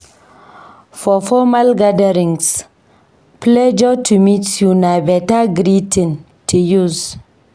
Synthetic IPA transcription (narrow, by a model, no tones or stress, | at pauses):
fɔfɔmalɡadəɾĩŋs | plɛd͡ʒɔtʰumitjunabɛtaɡɾitin | tʰujuz